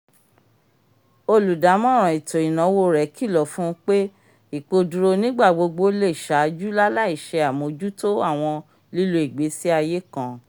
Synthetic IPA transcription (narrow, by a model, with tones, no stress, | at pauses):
o˧lu˨da˨˦mɔ̃˦ɾ̃ɔ̃˨i˨to˨i˨nã˨˦wo˦˨ɾɛ˨˦ki˦˨lɔ˨˦fũ˦k͡pe˦ | i˦˨k͡po˧du˧ɾo˧nĩ˦ɡ͡ba˦˨ɡ͡bo˧ɡ͡bo˧˦le˦˨ʃa˨˦d͡ʒu˦la˦la˦˨i˦˨ʃɛ˧a˨mo˨˧˦d͡ʒu˦to˦a˦˨w̃ɔ̃˧ | li˦lu˧i˨ɡ͡be˨˦si˦a˧je˦kã˦˨